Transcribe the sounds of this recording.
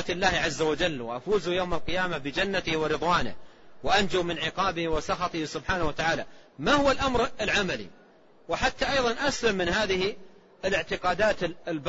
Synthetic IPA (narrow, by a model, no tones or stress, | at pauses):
at̪ɪlːaːhʕazːawad͡ʒalːwɪʔafuːzujowmalqɪjaːmabɪd͡ʒanːat̪ɪhwɪɾɨðˤwaːnɪ̰hwɪʔand͡ʒuːmɪnʕɪqɑːbɪhwɪsɑxɑt̪ˤɪhsʊbħaːnahwat̪aʕaːlamahʊwalʔamɾɪlʕamalḭ | wɪħat̪ːaʔɑjðˤɑnʔaslamːɪnhaːðɪhi | ɪlɪʕt̪ɪqɑːd̪aːt̪ɪlb